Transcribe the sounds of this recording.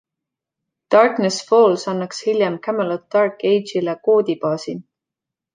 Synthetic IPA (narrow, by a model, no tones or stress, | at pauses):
d̪̥ɑrknesfo̞ːlsɑnːɑkshiljɑmkæmelot̪̚d̪̥ɑrke̞jd͡ʒileko̞ːd̪ipɑːsin